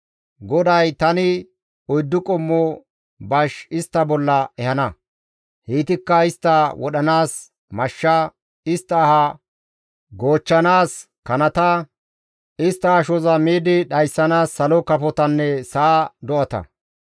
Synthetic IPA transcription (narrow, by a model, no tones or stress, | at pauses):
ɡɔd̪ɐjt̪ɐnɪ | ɔjd̪ːʊkʼɔmːɔ | bɐʃɪst̪ːɐbɔlːɐɛhɐnɐ | hiːt̪ɪkːɐɪst̪ːɐwɔɗɐnaːs | mɐʃːɐ | ɪst̪ːɐːhɐ | ɡoːt͡ʃːɐnaːs | kɐnɐt̪ɐ | ɪst̪ːɐɐʃɔzɐmiːd̪ɪɗɐjsːɐnaːsːɐlɔkɐfɔt̪ɐnːɛsɐːd̪ɔʔɐt̪ɐ̰